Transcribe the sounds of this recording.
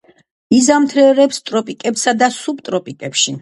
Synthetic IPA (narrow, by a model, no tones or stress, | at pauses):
izamt̪ʰɾɛɾɛpst̪ʼɾɔpʼikʼɛpsad̪asup̚t̪ʼɾɔpʼikʼɛpʃi